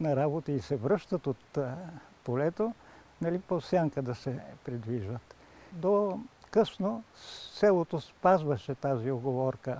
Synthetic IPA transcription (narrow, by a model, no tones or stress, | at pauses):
nɐɾabot̪əisɛvɾɤʃt̪ət̪ot̪ | polɛt̪o | nɐlipofsʲjaŋkəd̪ɐsɛpɾid̪viʒvət̪ | d̪okɤsnosɛlˠot̪ospazvəʃɛt̪azioɡovɔɾkə